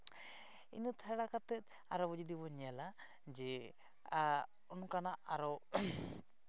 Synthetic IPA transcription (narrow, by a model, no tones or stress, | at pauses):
ḭnut̪ʰaɽakat̪ɛt̪̚ | aɾɔbud͡ʒud̪ibɔɲala | d͡ʒɛ | a | ɔnkanaʔaɾɔ